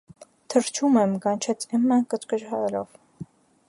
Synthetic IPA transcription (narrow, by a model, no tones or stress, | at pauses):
t̪ʰəɾt͡ʃʰumɛmkɑnt͡ʃʰɛt͡sʰɛmːɑnkət͡skəd͡ʒhɑɾɛlɔ̰v